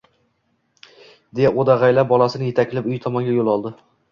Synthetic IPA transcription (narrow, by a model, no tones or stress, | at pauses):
d̪ejaod̪aʁajlabɒlˠasɪnɪje̞t̪ʰakʲʰlɪpʊjt̪ʰɒmɒnɡʲajolˠɒlˠd̪ɪ